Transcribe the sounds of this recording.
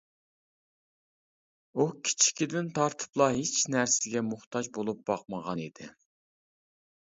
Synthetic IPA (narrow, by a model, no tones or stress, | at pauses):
ukʲʰi̥t͡ʃʰi̥kʲid̪ɪnt̪ʰɑɾt̪ʰɨ̥plˠɑɦet͡ʃnæɾsɪɡʲɛmʊχt̪ʰɑd͡ʒbolˠup̚bɑq̚məʁɑnid̪̥ɪ